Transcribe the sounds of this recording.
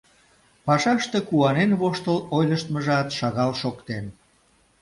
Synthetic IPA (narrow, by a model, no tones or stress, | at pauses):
pɑʃɑʃt̪e̽kuɑnenβoʃt̪əlojlʲəʃt̪məʒɑt̪ʃɑɣɑlʃokt̪en